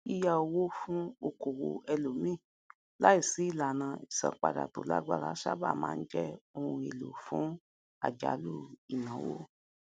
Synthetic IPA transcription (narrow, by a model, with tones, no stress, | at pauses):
i˦ja˧o˧wo˦fũ˦o˦˧ko˨wo˨ɛ˧lo˨mĩ˦˨ | la˦i˦˨si˨˦i˦˨la˨nã˧i˨sã̰˨k͡pa̰˨da̰˨to̰˨la̰˦ɡ͡ba̰˦˨la˨˦ʃa̰˦ba̰˦˨mãː˦˧˦d͡ʒɛ˦o˧hũ˧e˨lo˨fũ˨˦ | a̰˨d͡ʒa̰˨˦lu˦˨i˨nã˨˦wo̰˦˨